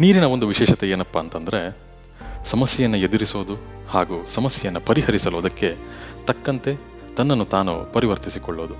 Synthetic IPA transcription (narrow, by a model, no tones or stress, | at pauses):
niːɾinɐo̞nd̪uʋiʃɛːʂɐt̪eeːnɐpːɐːnt̪ɐnd̪ɐɾe̞ | sɐmɐsjɐjɐnːɐed̪uɾisoːd̪uhaːɡuːsɐmɐsjɐjɐnːɐpɐɾiɦɐɾisɐloːd̪ɐkːe̞t̪ɐkːɐnt̪e̞ | t̪ɐnːɐnːut̪aːnṵpɐɾiʋɐɾt̪isikɔɭːoːd̪u